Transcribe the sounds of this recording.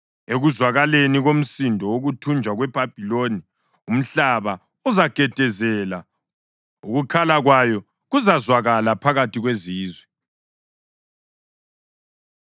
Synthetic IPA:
eɣuzwaɣaleniɣom̩sindʱɔoɣutʰund͡ʒʱwaɣwɛb̥ʱab̥ʱiloni | um̩ɬaβa | uzaɡ̥ʱɛd̥ʱɛzɛla | uɣukʰalaɣwajɔ | ɣuzazwaɣalapʰaɣatʰiɣweziːzwɛ

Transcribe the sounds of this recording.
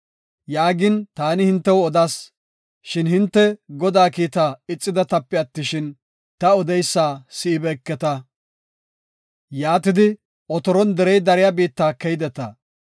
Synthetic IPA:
jaːɡɪnt̪aːnɪhɪnt̪ːɛwɔd̪aːs | ʃɪnhɪnt̪ːɛɡɔd̪aːkiːt̪aːɪt͡sʼːɪd̪ɐt̪ɐpːɪɐt̪ːɪʃɪn | t̪ɐɔd̪ɛjsːaːsɪɪbɛkːɛt̪ɐ | jaːt̪ɪd̪ɪ | ɔt̪ɔɾɔnd̪ɛɾɛjd̪ɐɾɪjabiːt̪ːaːkɛjd̪ɛt̪ɐ

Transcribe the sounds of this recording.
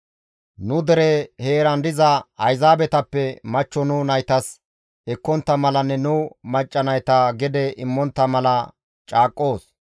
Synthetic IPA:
nʊd̪ɛɾɛheːɾɐnd̪ɪzɐɐjzaːbɛt̪ɐpːɛmɐt͡ʃːɔnʊnɐjt̪ɐs | ɛkːɔnt̪ːɐmɐlɐnːɛnʊmɐt͡ʃʼːɐnɐjt̪ɐɡɛd̪ɛʔɪmːɔnt̪ːɐmɐlɐ | t͡ʃʼaːkʼːo̞ːs

